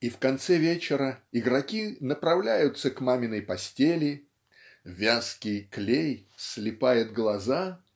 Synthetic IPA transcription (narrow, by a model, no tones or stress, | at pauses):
ifkɐnt̪sɛvʲet͡ɕɪɾəɪɡɾɐkʲinəpɾɐvlʲæjʊt̪səkmamʲɪnəjpɐsʲtʲelʲɪ | vʲaskʲɪjklʲejslʲɪpajɪt̪̚ɡlˠɐza